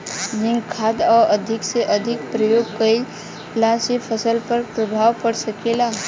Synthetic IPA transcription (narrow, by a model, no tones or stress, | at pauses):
d͡ʒɪ̃ŋɡkʰad̪ɔːɾəd̪ʱɪkseʔəd̪ʱɪk̚pɾəjoːɡ̚kəil | lasepʰəsəlpəɾpɾəbʱaːʋpəɽsəkelaː